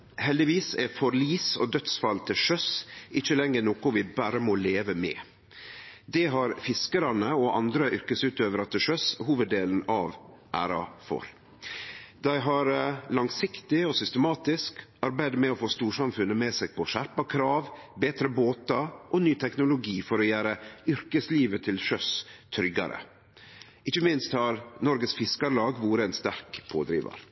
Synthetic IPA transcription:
hɛld̪ɪʋiːsɛ̰fɔɾliːsɔ̰d̪œt̪sfɑlt̪ʰɪlʂœsɪçəlɛŋːənoːkʊʋɪbæːɾəmɔleːʋəmɛ̰ː | d̪ɛɦɑɾfɪskəɾɑnəɔʔɑ̰nd̪ɾəʔʏɾkəsʉːt̪øːʋəɾɑt̪̚ːəʂœshuːʋəd̪ːeːln̩ɑ̰ʋʔæ̰ːɾɑ̰fɔ̰ɾ | d̪æɪɦɑɾlɑŋsɪkt̪ɪɔsʏst̪əmɑːt̪ɪskɑɾbæɪd̪əmɛɔfoːst̪uːʂɑmfʉnːəmɛːsɛɡ̚pʰɔʃæɾpɑkʰɾɑːʋbeːt̪ɾəboːt̪ɑʔɔnyːt̪ʰɛknʊlʊɡiːfɔɾɔjæːɾəʏɾkəsliːʋət̪ʰɪlʃœst̪ʰɾʏɡɑ̰ɾə̰ | ɪçəmɪnst̪hɑɾnɔɾɡəsfɪskɑɾlɑːɡʋuːɾəɛnst̪æɾkpʰo̰ːd̪ɾḭːʋɑ̰ɾ

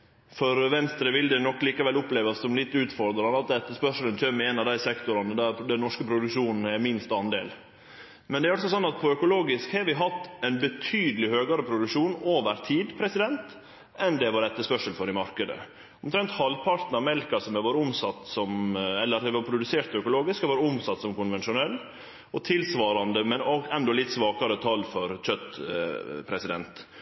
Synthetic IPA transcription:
fɔɾʋɛnst̪ɾəʋɪld̪ɛnɔkːliːkɑʋɛlʊpleːʋɑssɔmlɪt̪ːʉːt̪fɔɾd̪ɾɑnɑt̪ɛt̪ːəspœʂələnt̪ʰœmːɪɛnɑʋd̪æɪsɛkt̪ʊɾɑnəd̪æd̪ɛnnɔʂkəpʰɾʊd̪ʉkʂuːnn̩ɛmɪnst̪ɑnd̪ḛːl | mɛnd̪ɛæɾɑlsɔsɔnːɑt̪̚pʰɔœkʊloːɡɪskhɑɾʋɪɦɑt̪ːɛnbət̪ʰyːd̪əlɪhøːɡɑɾəpʰɾʊd̪ʉkʂuːnoːʋəɾt̪ʰiːd̪pʰɾɛsɪd̪ɛnt̪ | ɛnd̪ɛʋɑɾɛt̪ːəspœʂəlfɔɾɪmɑɾkəd̪ə̰ | ɔmt̪ʰɾɛnt̪hɑlpʰɑɾt̪n̩ɑʋmɛlkɑsɔmɛʋoːɾəʊmsɑt̪ːsɔmɛlːəɾhɛʋɑɾpʰɾʊd̪ʉseːɾt̪œkʊloːɡɪskhɑɾʋoːɾəʊmsɑt̪ːsɔmkʊnʋɛnʂʊnɛlː | ɔt̪ʰɪlsʋɑːɾɑnd̪əmɛnɔɡɛnd̪ɔlɪt̪ːsʋɑːkɑɾət̪ʰɑlːfɔɾc͡çœt̪ː | pʰɾɛsɪd̪ɛnt̪

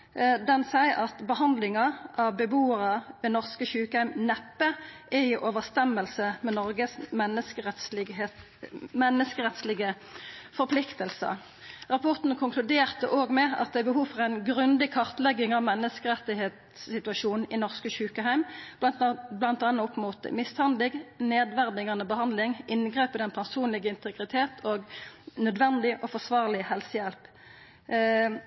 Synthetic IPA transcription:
d̪ɛnsæɪʔɑt̪bəhɑnd̪lɪŋɑʔɑʋbəbuːəʁəʋɛnɔʁskəçʉːkəhæɪmnɛpːəʔæɪʔoːʋəʁst̪ɛməlsəmɛnɔʁɡəsmɛnəskəʁɛt̪sɪ | mɛnːəskəʁɛt̪slɪɡə | fɔɾpʰlɪkt̪əlsə̰ | ʁɑpʰɔʁt̪n̩kʰʊŋkʰlʉd̪eːʁt̪əʔoːɡmɛɑ̰t̪̚d̪ɛɪbəɦuːfɔʁæɪnɡʁʉnd̪ɪkʰɑʁt̪lɛɡːɪŋɑʋmɛnːəskəʁɛt̪ːɪheːt̪sːɪt̪ʉɑʃuːnn̩ɪnɔʁskəʃʉːkəɦæɪmbblɑnt̪ɑnːəʊpmuːt̪ə̰mɪst̪hɑnd̪lɪɡneːd̪ʋæʁd̪ɪɡɑnəbəhɑnd̪lɪŋʔɪnɡʁeːpəd̪ɛnpʰæʁsuːnlɪɡəɪnt̪əɡʁɪt̪ʰeːt̪ʰoːɡnœd̪ʋɛnd̪ɪʔɔfɔsʋɑːʁlɪhɛlsəjɛlp

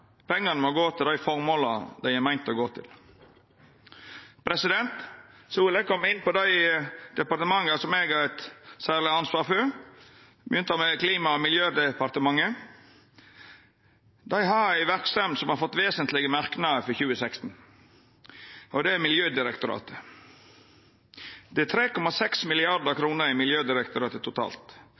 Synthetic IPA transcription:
pʰɛŋːɑnəmɔɡoːt̪ʰɪld̪æɪfɔɾmoːlɑd̪æɪæɪmæɪnt̪ɔɡoːt̪ʰɪ̰l | pʰɾɛsɪd̪ɛnt̪ | suːlɛɡkʰɔmːɪnːpɔd̪æɪd̪̥ɛpɑɾt̪əmɑŋːəsɔmeːɡɑɾɛt̪sæːʁlɪɑnsʋɑːɾføɾ | bəjʏnt̪ɑmɛkliːmɑɔmɪljøːd̪ɛpɑɾt̪əmɑŋːə | d̪æɪɦɑɾæɪʋæɾkst̪ɛmd̪sɔmhɑɾfɔt̪ːʋeːsənt̪lɪɡəmɑɾknɑəfɔçʉːəsækst̪n̩ | ɔd̪ɛæmɪljøːd̪ɪɾɛkt̪ʊɾɑ̰ːt̪ə̥ | d̪̥ɛæt̪ʰɾeːkɔmɑsɛksmɪlɪɑɾd̪əkʰɾuːnəɾɪmɪljøːd̪ɪɾɛkt̪ʊɾɑːt̪ət̪ʰʊt̪ʰɑ̰ːlt̪

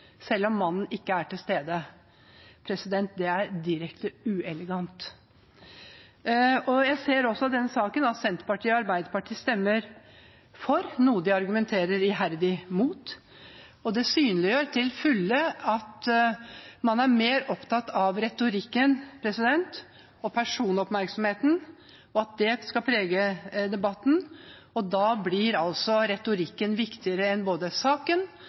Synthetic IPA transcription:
sɛlːɔmːɑnːn̩ɪkːəæʈɪlst̪eːd̪ə | pʰɾɛsɪd̪ɛnt̪̚d̪ɛæɾd̪ɪɾɛkt̪əʉːɛləɡɑnt̪ | ɔjæɪseːɾɔsːɔd̪ɛnːəsɑːkənɑt̪sɛnt̪pɑʈʰiːɑɾbæɪd̪əpɑʈʰiːst̪ɛmːəɾ | fɔɾnuːəd̪ɪɑɾɡʉmɛnt̪ʰeːɾəɾɪɦæɾd̪ɪmuːt̪ | ɔd̪ɛsyːnəlɪjøːɾt̪ʰɪlfʉlːəɑt̪ | mɑnæɾmeːɾɔpt̪ʰɑt̪ːɑʋɾɛt̪ʊɾɪkːənpʰɾɛsɪd̪ɛnt̪ | ɔpʰæʂuːnɔpmæɾksɔmheːt̪n̩ | ɔɑt̪̚d̪ɛskɑpʰɾeːɡəd̪ɛbɑt̪ːn̩ | ɔd̪ɑːblɪɾɑlsɔɾɛt̪ʊɾɪkːənʋɪkt̪ɪəɾəɛnboːd̪əsɑːkən

